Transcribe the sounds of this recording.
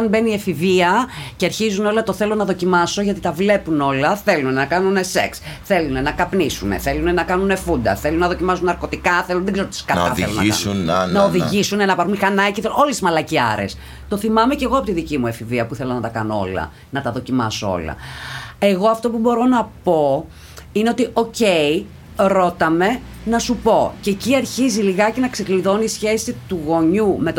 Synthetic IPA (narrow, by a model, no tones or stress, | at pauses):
ɐnbe̞niefiviɐceɐɾçizuno̞lɐt̪o̞θe̞lo̞nɐðo̞cimɐso̞ʝɐt̪it̪ɐvle̞puno̞lɐθe̞lunenɐkɐnune̞se̞̰ksθe̞lune̞nɐkɐpnisune̞̰θe̞lunenɐkɐnunefund̪ɐ̰θe̞lunɐðo̞cimɐsunɐɾko̞t̪ikɐθelunðeɡzeɾot̪iskɐnɐelonɐḭunnɐoðiʝisunenɐpɐɾumixɐnɐciθeo̞lesizmɐlɐciɐ̰ɾe̞̰s | t̪o̞θimɐme̞ce̞ɣoɐpo̞t̪iðicimuefiviɐpuθe̞lo̞nɐt̪ɐkɐnoo̞̰lɐ̰ | nɐt̪ɐðo̞cimɐsoo̞̰lɐ̰e̞ɣo̞ɐft̪o̞pubo̞ɾo̞nɐpo̞ | ine̞o̞t̪io̞ce̞i | ɾo̞t̪ɐme̞ | nɐsupo̞ceciɐɾçiziliɣɐcenɐksekliðo̞nisçe̞sit̪uɣo̞ɲume̞t̪